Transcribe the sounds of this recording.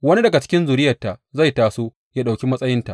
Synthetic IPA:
wɐ˦ni˦dɐ˨ɡa˨t͡ʃɪ̥˦kʲɪ˦nzuː˨ɾɪ˦jɐ˨tːa˨ʔza˦˨jtaː˨soː˦ | jaː˦ɗa˨kʲi˦mɐ˦sʼɐ˦jɪ˦nta˨

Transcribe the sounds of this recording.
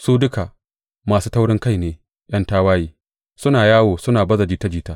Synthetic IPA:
suː˦dʊ˦ka˨ | maː˨suː˦ta˦wɽɪ˦ŋka˦jneː˨ | ʔj̰ɐ˦ntaː˦waː˦jiː˦ | sʊ˦naː˨jaː˦woː˨sʊ˦naː˨bɐ˦zɐ˨d͡ʒiː˦ta˦d͡ʒiː˦ta˦ʔ

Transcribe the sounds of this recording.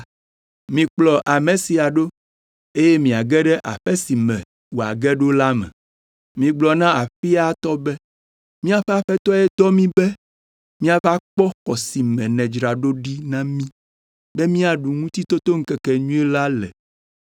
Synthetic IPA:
mĩ˨k͡plɔ˨ʔa˨mẽ˨si˨a˨ɖo˦ | e˦jɛ˦mĩ˨a˨ɡɛ˦ɖɛ˦ʔa̰˨ɸɛ˦si˨mɛ̃˨ | wo˨a̰˨ɡɛ˦ɖo˦la˦mɛ̰̃˨ | mĩ˨ɡ͡blɔ˨nã˦a˨ɸi˦a˦t̪ɔ˦bɛ˦ | mĩ˦a˨ɸɛ˦a˨ɸɛ˦t̪ɔ˦ɛ˦t̪ɔ˦mĩ˦bɛ˦ | mĩ˦a˨va˦k͡pɔ˦xɔ˨si˨mɛ̃˨nɛ̃˨d͡ʒɾa˨ɖo˦ɖi˦nã˦mĩ˦ | bɛ˦mĩ˦a˨ɖu˨ŋũ˦t̪i˦t̪o˦t̪o˦ŋ̩˦kɛ˨kɛ˨ɲũ˦ɛ˦la˦lɛ̰˨

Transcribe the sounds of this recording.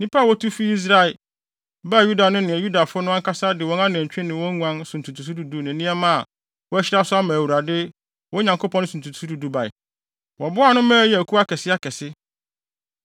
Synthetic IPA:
nĩ˦pʰa˦˨wɔ˦tʰu˦fi˦i˦s̬ɾa˦ɪ˨ | ba˦˨ju˦da˨nʊ̃˦nɪ̃˨ɛ˨ju˦da˨fʊ˦ʊ˦nʊ̃˦ã˦ŋkʰa˦sa˦dɪ˨wɔ̃˦nã˦n˨æ̃˨ɲ˨t͡ɕᶣɪ̃˦nɪ̃˨wɔ̃˦ŋ˦ã˦nsʊ̃˨n̩˨tʰu˨tʰu˨s̬u˦du˨du˦nɪ̃˨nĩ˦ɛ˦mã˦a˨ | wɔ˦æ˦ɕɪ˦ɾa˦sʊ˦a˦mã˨wu˨ɾa˨dɪ˦ | wɔ˦ɲã˨ŋkʰo˦pʰɔ̃˦n˦sũ˨tʰu˨tsu˦du˨du˦ba˨ɪ̰˨ | wɔ˨bʊ˦a˦˨nʊ̃˦mæ̃ː˦jɛ˨æ˨kʰu˦a˦kʰɛ˨sɪ˦a˦kʰɛ˨sɪ˦

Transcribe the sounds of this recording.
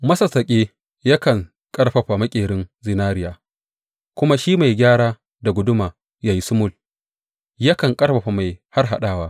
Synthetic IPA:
mɐ˦sɐ˨sɐ˨kʲʼeː˦ | ja˦kɐ˨ŋ | kʼɐ˦ɽɸɐ˨ɸa˨mɐ˦kʲʼeː˨ɽɪ˦nzɪ˦naː˦ɾɪ˦jaː˨ | kʷʊ˦ma˦ʃiː˦ma˨jɡʲaː˦ɽaː˦ | da˨ɡʷʊ˦dʊ˦maː˨ | jaː˨ji˦sʊ˦mʊ˦˨l | jɐ˦kɐ˨ŋkʼɐ˦ɽɸɐ˨ɸa˨ma˨jha˦rɦa˦ɗaː˦waː˦

